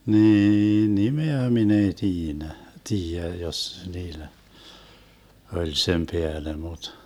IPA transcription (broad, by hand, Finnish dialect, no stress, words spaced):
niːin nimeæ min ei tiːnæ tiːjæ jos niːlæ olʲ sem peæle mut